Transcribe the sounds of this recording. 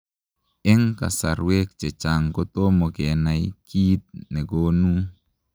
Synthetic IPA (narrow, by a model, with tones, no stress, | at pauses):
ɛ˦ŋka̰˨sa̰˨ɾwe˦k̚t͡ʃɛ˨t͡ʃaŋɡo˦t̪o˦mo˨ɡɛna˨ikʰi˦t̪̚nɛ˨ɡonu˦